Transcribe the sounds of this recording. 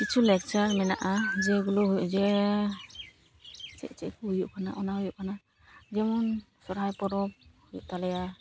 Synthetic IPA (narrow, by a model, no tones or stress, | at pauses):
kit͡ʃʰulɛk̚t͡ʃaɾmɛna̰ʔazɛɡuluɦujuʔzɛ | t͡ʃɛ̰ʔt͡ʃɛ̰k̚ujuʔkʰana̰ʔɔnaɦujuʔkʰana | zɛmɔn | sɔɾɦajpɔɾɔp̚hujṵʔtalɛja